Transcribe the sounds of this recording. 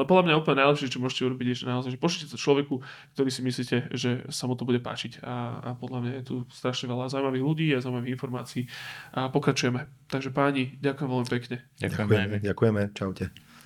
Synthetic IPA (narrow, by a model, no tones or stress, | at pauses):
alɛpɔd̪lamɲajɛuːplɲɛnajlɛpʃɪɛɛt͡ʃɔmʊɔʒɛcɛuɾɔbiɟɛʃɛnaɔzaɪjʒɛpɔt͡ʃucɛsɔt͡ʃlɔʋɛku | kt̪ɔɾiːsimisliːcɛʒɛsamut̪ɔbuɟɛpa̰ːt͡ʃica̰ːpɔd̪lamɲajɛt̪ust̪ɾaʃɲɛʋɛlazaumaʋiːɣluɟiːazaumaʋiɦinfɔɾma̰ːt͡siiːʔapɔkɾat͡ʃujɛmɛt̪aɡʒɛpaːɲiɟakujɛmʋɛlmipɛkɲɛaaɛɟakujɛmɛt͡ʃawcɛ